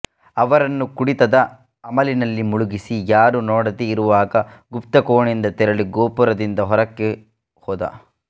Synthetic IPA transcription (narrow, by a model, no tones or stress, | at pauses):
ɐʋɐɾɐnːukuɽit̪ɐd̪ɐ | ɐmɐlinɐlːimuɭuɡisijaːɾunɔːɽɐd̪eiɾuʋaːɡɐɡupt̪ɐkoːɳind̪ɐt̪ɛɾɐɭiɡoːpuɾɐd̪ind̪ɐɦɔɾɐkːe | hɔːd̪ɐ̰